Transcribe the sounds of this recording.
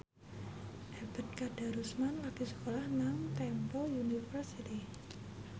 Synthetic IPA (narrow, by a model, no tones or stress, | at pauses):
ʔabə̤t̪̚kad̥a̤ɾusmanlak̪isə̥kolahnaŋt̪ɛmpɔjunifərsit̪i